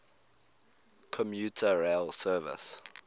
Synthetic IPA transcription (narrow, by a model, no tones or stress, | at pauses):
kʰɔmjutʰəɹelsɜːvɪ̰s